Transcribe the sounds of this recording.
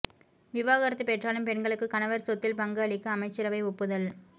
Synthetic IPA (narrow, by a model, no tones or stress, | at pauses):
ʋɪʋaːɣɐɾɐt̪ːɯpɛʈraːlɯmpɛɳɡɐɭɯkːɯkɐnɐʋɐɾsɔt̪ːɪlpɐŋɡɐːɭɪkːɐɐmɐɪt͡ʃːɪɾɐʋɐɪɔpːɯðɐl